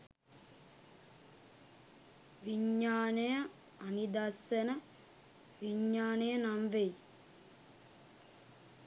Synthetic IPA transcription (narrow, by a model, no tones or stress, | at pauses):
ʋiɲːaːnejɐː | nid̪ɐsɐnɐ | ʋiɲːaːnejɐnamʋej